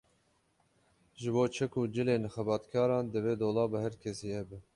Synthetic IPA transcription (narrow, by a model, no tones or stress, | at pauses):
ʒɨboːt͡ʃʰɛkʰud͡ʒɪleːnxɛbɑːt̪kʰɑːɾɑːnd̪ɨveːd̪oːlɑːbɨhɛɾkʰɛsiːhɛbɨ